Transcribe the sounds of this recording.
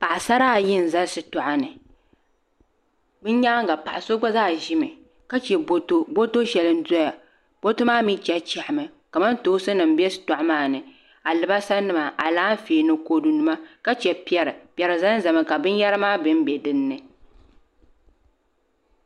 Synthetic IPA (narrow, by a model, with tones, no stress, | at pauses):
pa˨ʔa˨sa˦ɾaː˦˨jɪ˦˨n̩˨za˦sɨ˨tɔ˨ʔa˦nɨ˨ | bɨ˦n˦ɲaː˦ŋ˦ɡa˨pa˨ʔa˨so˦ɡ͡ba˦zaː˦˨ʒɪ˦mɨ˨ | ka˦t͡ʃɛ˨bo˦to˦bo˦to˦ʃɛ˨lɨ˦n˦dɔ˦ja˨ | b̥o˦to˦maː˦mi˦t͡ʃɛ˦t͡ʃɛ˨ʔɪ˨mɨ˨ka˨ma˦n˦toː˦sɨ˦nɨ˨m̩˦bɛ˦sɨ̥˨tɔ˨ʔa˦maː˦˨nɨ˨ | a˨lɨ˨ba˦sa˦nːɨ˦ma˨ʔa˨laː˦n˦feː˨nɨ˦ko˦du˨nu˨ma˦ka˦t͡ʃɛ˨pɛ˨ɾɨ˨pjɛ˨ɾɨ˨za˦za˨mɨ˦ka˨bɨ˦n˦ja˦ɾɨ˦maː˦bɨ˦m˦bɛ˨dɨ˦nːɨ˨